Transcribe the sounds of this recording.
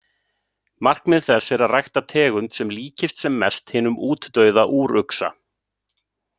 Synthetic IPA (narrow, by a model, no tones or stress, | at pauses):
mar̥knmɪðθɛsːɪɾaðrajxt̪at̪ʰɛːɣʏnt̪sɛmliːcɪst̪sɛmːɛst̪hɪːnʏmuːt̪ːœɥðaʔuːɾʏksa̰